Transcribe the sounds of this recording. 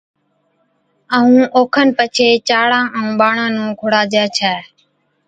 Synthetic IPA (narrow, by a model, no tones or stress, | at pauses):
əũːʔoːkʰənpət͡ʃʰeːt͡ʃaːɽãːʔəũːɓaːɳãːnũːkʰʊɽaːd͡ʒɛːt͡ʃʰɛː